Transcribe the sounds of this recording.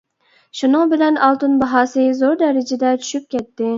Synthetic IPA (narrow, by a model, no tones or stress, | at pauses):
ʃunɨŋbɪlɛnɑlˠt̪unbɑɦɑːsɨzoɾd̪ɛɾɪd͡ʒɪd̪ɛt͡ʃʰy̥ʃyp̚kʲɛt̪ːɪ